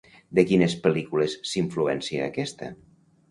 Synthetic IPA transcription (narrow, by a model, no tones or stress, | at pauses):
d̪əkinəspəlikulesːiɱfluɛnsiə̰ːkɛst̪ə̰